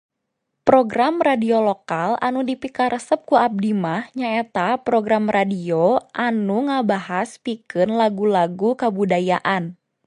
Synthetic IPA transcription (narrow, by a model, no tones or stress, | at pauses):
pɾoɡɾamradiolokalanudipikaɾəsəp̚kuab̚dimahɲaet̪apɾoɡɾamradioʔanuŋabaɦaspikɨnlaɡulaɡukabudajaʔan